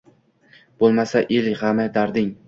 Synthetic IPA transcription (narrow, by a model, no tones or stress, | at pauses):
b̥olˠmasaʔɪlhamad̪aɾd̪ɪŋ